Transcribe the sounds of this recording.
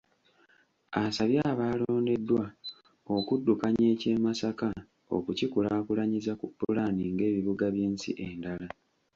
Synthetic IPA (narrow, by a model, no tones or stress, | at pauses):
asaβjaːβaːlo̞ːnde̞dːwa | okudːukaɲe̞ːce̞ːmasaka | o̰kucikulaːkulaɲizakupːulaniŋɡe̞ːβiβuɡaβjeːnsḭʔendala